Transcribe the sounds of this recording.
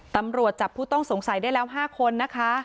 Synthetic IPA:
t̪a˧mɾu˨˩ət̪̚t͡ɕaː˨˩pʰːuː˥˩t̪ɔ˥˩ŋso˩˦ŋsa˨˩˦jdaː˥˩jlɛː˦˥wɦaː˥˩kʰo˧nːa˦˥kʰa˦˥

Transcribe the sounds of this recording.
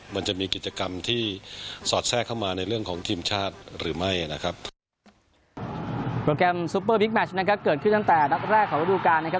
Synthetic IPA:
ma˧nt͡ɕa˨˩miː˧ki˨˩t͡ɕa˧ka˧mt̪ʰiː˥˩sɔː˨˩t̪̚sɛː˥˩kʰːa˥˩wmaː˧na˧jɾɯ˥˩əŋkʰɔː˩˦ŋt̪ʰiː˧mt͡ɕʰaː˥˩t̪̚ɾɯː˩˦ma˥˩ja˩na˦˥kʰɾa˦˥p̚ | pɾoː˧kɛː˧msu˦˥pːɤː˥˩bi˦˥k̚mɛ˦˥t͡ɕʰna˦˥kʰa˦˥p̚kɤː˨˩t̪̚kʰɯ˥˩nt̪a˥˩t̪ɛː˨˩na˦˥t̪̚ɾɛː˥˩kʰːɔː˨˩˦wa˦˥˩duː˧kaː˧nːa˥kʰa˦˥

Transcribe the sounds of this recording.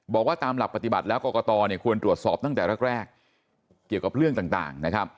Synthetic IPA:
bɔː˨˩k̚waː˥˩t̪aː˧mla˨˩pa˧t̪i˨˩ba˨t̪̚lɛː˦˥wkɔː˧kɔː˧t̪ɔː˧ni˥˩əkʰu˧ənt̪ɾu˨˩ət̪̚sɔː˨˩p̚t̪a˥˩ŋt̪ɛː˨˩ɾɛ˦˥k̚ɾɛː˥˩kː | i˨˩əwka˨˩p̚ɾɯ˥˩əŋt̪aː˨˩ŋt̪a̰ː˨˩ŋna˦˥kʰa˦˥p̚

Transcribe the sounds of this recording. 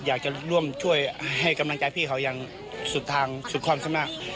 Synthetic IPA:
jaː˨˩k̚t͡ɕa˧˩lu˧˥˩əmt͡ɕʰu˥˩əjha˧˨˩jka˧mla˧ŋt͡ɕa˧˦jpʰiː˧˩kʰa˧˩wja˧ŋ | su˧˩t̪̚t̪ʰːaː˧ŋsu˨˩t̪̚ʰɔː˧˥˨msʰa˧mna˧˨ʔ

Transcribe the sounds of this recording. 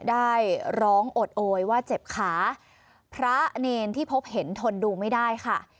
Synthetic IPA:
daː˥˩jɾɔː˦˥ŋʔo˨˩t̪̚ʔoː˧jwaː˥˩t͡ɕe˨˩p̚kʰaː˩˦ | pʰɾa˦˥neː˧nt̪ʰiː˥˩pʰo˦˥p̚he˩˦nt̪ʰo˧nduː˧ma˥˩jdaː˥˩jkʰa˥˩

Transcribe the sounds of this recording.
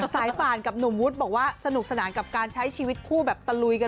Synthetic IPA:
saː˩˦jpaː˨˩nka˨˩p̚nu˨˩mwu˦˥t̪̚bɔː˨˩k̚waː˥˩sa˧nu˨˩k̚sa˧naː˩˦nka˨˩p̚kaː˧nt͡ɕʰa˦˥jt͡ɕʰiː˧wi˦˥t̪̚kʰuː˥˩bɛː˨˩p̚t̪a˧lu˧jka˧

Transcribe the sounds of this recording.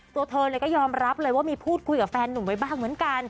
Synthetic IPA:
t̪u˧ɐt̪ʰɤː˧nlɤː˧jkɔː˥˩jɔː˧mɾa˦˥p̚lɤː˧jwaː˥˩miː˧pʰuː˥˩t̪̚kʰu˧jka˨˩p̚fɛː˧nːu˨˩nwa˧jbaː˥˩ŋmɯ˩˦ənka˧n

